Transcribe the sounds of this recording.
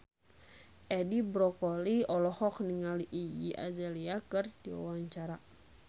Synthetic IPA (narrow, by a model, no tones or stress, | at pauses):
ʔɛdibɾɔkɔliɔlɔhɔkniŋaliʔijḭʔa̰d͡ʒɛliakɨrdia̰waɲt͡ʃaɾa